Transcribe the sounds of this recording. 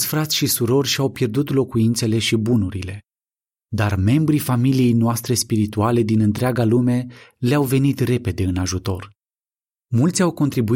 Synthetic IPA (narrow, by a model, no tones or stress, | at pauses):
sʲfɾat̪sʲʃisuɾo̞rʲʃiawpje̞rd̪ut̪lo̞kuint̪se̞le̞ʃibunuɾile̞ | d̪arme̞mbɾifamilije̞jnoast̪ɾe̞spiɾit̪uale̞d̪inɨnt̪ɾeaɡalume̞leawve̞nit̪re̞pe̞d̪e̞ɨnaʒut̪o̞r | mult̪sʲawko̞nt̪ɾibu